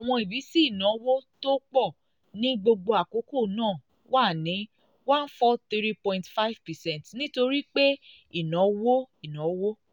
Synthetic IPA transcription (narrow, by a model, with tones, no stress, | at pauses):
a˨w̃ɔ̃˧i˨bi˨˦si˦i˦˨nã˨˦wo˦to˦k͡pɔ˦˨ | nĩ˦ɡ͡bo˧ɡ͡bo˧a˨ko˨˦ko˦˨nãː˦˨ | wa˦˨nĩ˨˦ | wã˦n˦fɔ˦t̪i˦ɾi˦pɔ̃˨ĩntfa˦i˦vpɛ˨sɛ̃˦ntnĩ˦to˧ɾi˦k͡pe˦ | i˦˨nã˨˦wo˦i˨nã˨˦wo˦